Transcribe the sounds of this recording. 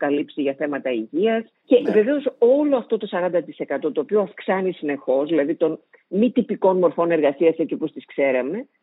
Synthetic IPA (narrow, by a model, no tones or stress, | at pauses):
kɐlipsiʝɐθe̞mɐt̪ɐiʝiɐs | ce̞ve̞ve̞o̞so̞lo̞ɐft̪o̞t̪o̞sɐɾɐnd̪ɐt̪ise̞kɐt̪o̞t̪o̞ːpioɐfksɐnisine̞xo̞zðilɐðit̪o̞n | mit̪ipiko̞nmo̞ɾfo̞ne̞ɾɣɐsiɐsecipost̪iskse̞ɾɐme̞